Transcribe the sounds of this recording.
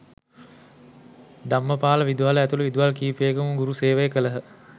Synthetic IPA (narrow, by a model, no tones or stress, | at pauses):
d̪amːəpaːləʋid̪uɦaləæt̪uləʋid̪uɦalkiːpeɡəmuŋɡuɾuseːʋəjəkələɦə